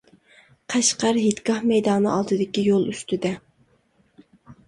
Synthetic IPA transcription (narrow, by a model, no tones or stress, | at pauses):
qʰæʃqæɾɦet̪kʲɑhmɛjd̪ɑːnɨʔɑlˠd̪ɨd̪ɪkʲijolˠyst̪ɪd̪ɛ